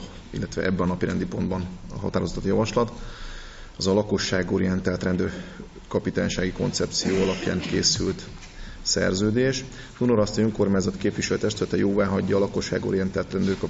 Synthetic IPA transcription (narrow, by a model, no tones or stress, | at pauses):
ḭlːɛt̪ʋɛ̰ʔɛbːɛnnɒpiɾɛnd̪ipo̞nd̪bɒnɒ̰ɦɒ̰t̪aːɾozɒt̪ot̪jɒvɒʃlɒt̪ | ɒzɒlɒko̞ʃːaːɡo̞ɾijɛnt̪aːlt̪rɛnd̪øːr | kɒpit̪aːɲʃaːɡiko̞̰nt̪sɛp̚t̪sijoːɒlɒpja̰ːŋkeːsylt̪ | sɛ̰rzøːd̪eːʃ | t̪unoɾɒst̪øːŋko̞rmaːɲzɒt̪keːpʋiʃɛløt̪ɛʃt̪ylɛt̪ɛjoːvaːɦɒɟːɒːlɒko̞ʃːa̰ːɡo̞̰ɾijɛnt̪aːlt̪rɛnd̪øːrkɒ